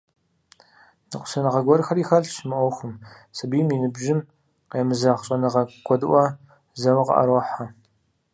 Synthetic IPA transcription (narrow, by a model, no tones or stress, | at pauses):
nɨqʷʊ̥sɐnɨʁɐɡʷɔrxɐriːxɐɮʃɪmɨʔʷɔxʷʊm | sɨbiːminɨbʒɪm | qeːmɨzɐχɕʼɐnɨʁɐɡʷʰɔdɨʔʷɐ | zɐwɨqɐ̰ʔɐ̰ɾɔħa